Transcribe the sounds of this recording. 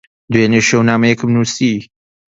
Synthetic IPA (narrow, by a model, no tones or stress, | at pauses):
d̪weneʃewnaːmɐjɛkɨmnusi